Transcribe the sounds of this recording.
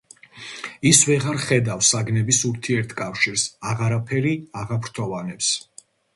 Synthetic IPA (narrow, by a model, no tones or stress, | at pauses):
isvɛʁaɾχɛd̪afsaɡnɛbisuɾt̪ʰiɛɾt̪ʰkʼafʃiɾsaʁaɾapʰɛɾiaʁapʰɾt̪ʰɔvanɛps